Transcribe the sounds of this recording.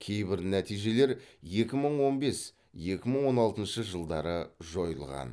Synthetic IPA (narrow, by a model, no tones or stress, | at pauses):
kʲʰe̞jbɪɾnæt̪ijʒe̞le̞ɾje̞kʲɪməɴwo̞nbe̞s | je̞kʲɪməɴwo̞nɑlˠt̪ənʃəʒəlˠd̪ɑɾəʒo̞jəlˠʁɑ̰n